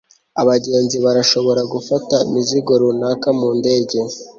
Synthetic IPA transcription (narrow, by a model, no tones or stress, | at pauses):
aβaɟe̞ːnziβaɾaʃo̞βo̞ɾaɡufataḭmiziɡo̞ɾunaːkamuːnde̞ːɟe̞